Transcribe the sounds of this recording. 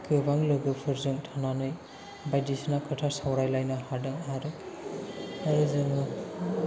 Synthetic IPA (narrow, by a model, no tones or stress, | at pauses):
kʰɯbaŋlɯɡɯpʰɯɾzɯŋtʰananɯj | bajdisnakʰɯtʰasawɾajlajnahadɯŋɦaɾɯ | aɾɯzɯŋɯ